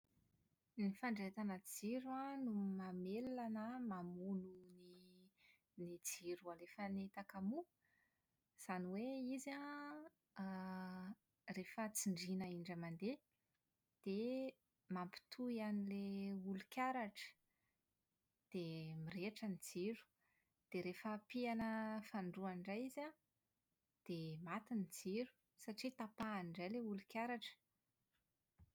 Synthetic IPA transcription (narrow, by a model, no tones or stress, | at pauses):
nifaɳɖ͡ʐet̪anəd͡ziɾuanumamelanəmamununi | nid͡ziɾualefənet̪akamu | z̥aniweiza | refət͡siɳɖ͡ʐinaiɳɖ͡ʐəmand̪e | d̪̥e | mampi̥t̪ʰuijanileulukʲaɾaʈ͡ʂə̥ | d̪̥emireʈ͡ʂənid͡ziɾu̥ | d̪̥eɾefəpianəfaɳɖ͡ʐuanɳɖ͡ʐajiza | d̪̥emat̪inid͡ziɾu̥ | saʈ͡ʂit̪apaːniɖ͡ʐajleulukʲaɾaʈ͡ʂə̥